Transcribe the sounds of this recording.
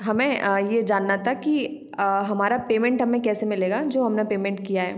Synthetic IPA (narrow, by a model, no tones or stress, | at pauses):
ɦɐmẽjed͡ʒaːnːat̪ʰaki | ɦɐmaːɾapeːmɛ̃ɳʈɦɐmẽkɛːsemɪleːɡad͡ʒoːɦɐmnepeːmɛ̃ɳʈ̚kijaɦɛ̰ː